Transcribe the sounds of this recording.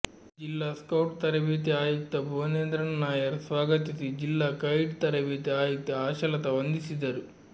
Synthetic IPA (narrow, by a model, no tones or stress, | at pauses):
d͡ʒilːaːskɐwʈt̪ɐɾɐʋiːt̪̬iaːjuk̚t̪ɐbʱoneːnd̪ɾɐnɐnaːjɐɾsʋaːɡɐt̪isid͡ʒilːaːkɐjɖt̪ɐɾɐʋiːt̪iaːjɐk̚t̪ɐaːʃɐlɐt̪ɐʋɐnd̪isid̪ɐɾu